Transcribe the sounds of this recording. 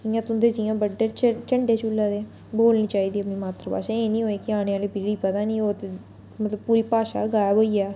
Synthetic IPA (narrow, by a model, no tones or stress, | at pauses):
ɪjãːt̪ʊnd̪eːd͡ʒɪjãːbəɖeːt͡ʃt͡ʃəɳɖeːt͡ʃʊːlːaːd̪eː | boːlniːt͡ʃaːiːd̪iːəpniːmaːt̪ɾəpa̰ːʃãːeːnĩːɦoːeːkɪaːɽ̃eːaːliːbiːɽiːpət̪aːnĩːoːt̪e | mət̪ləbpuːɾiːpaːʃa̰ːɡaːjaboːiːɛː